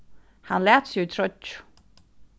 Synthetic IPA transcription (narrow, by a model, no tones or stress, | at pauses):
hanlæːt̪sjʊit̪ʰɾœt͡ʃ